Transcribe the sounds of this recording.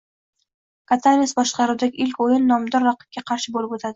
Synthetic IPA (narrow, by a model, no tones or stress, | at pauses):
kʰat̪ʰamʲɪsbɒʃqɑɾuwd̪aɡʲɪʔɪlkʲojɪnːɒmd̪ɒɾːɑqɨ̥p̚kʲaqʰɑɾʃɪbolɪpot̪ʰad̪ɪ